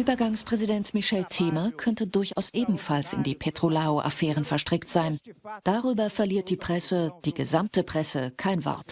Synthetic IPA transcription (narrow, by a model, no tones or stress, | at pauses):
ʔyːbɐɡaŋspʁ̥ɛzidɛntmɪʃɛltʰeːmɐkʰœntədʊɐçʔa̰ʊsʔeːbm̩falsɪ̰ndiːpʰetʁ̥olaoʔa̰fɛːʁənfɛɐʃtʁ̥ɪktz̥aɪnd̥aʁyːbɐfɛɐliːɐt̚d̥iːpʁ̥ɛsəd̥iːɡəzamtəpʁ̥ɛsəkʰaɪnvɔ̰ɐt